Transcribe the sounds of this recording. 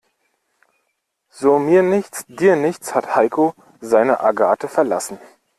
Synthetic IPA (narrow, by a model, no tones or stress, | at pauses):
z̥oːmiːɐnɪçt͡sd̥iːɐnɪçt͡shathaɪkʰo | zaɪnəʔaɡaːtəfɛɐla̰sn̩